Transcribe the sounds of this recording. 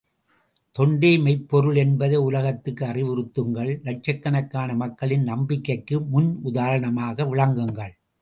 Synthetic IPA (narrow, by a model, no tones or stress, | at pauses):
t̪ɔɳɖeːmɐɪpːɔɾɯɭɛnbɐðeʊlɐɣɐt̪ːɯkːɯɐrɪʋɪɾɯt̪ːɯŋɡɐɭlɐʈ̚t͡ʃɐkːɐnɐkːaːnɐmɐkːɐɭɪnnɐmbɪkːɐɪkːɯmʊnʊðaːɾɐɳɐmaːɣɐʋɪɭɐŋɡɯŋɡɐɭ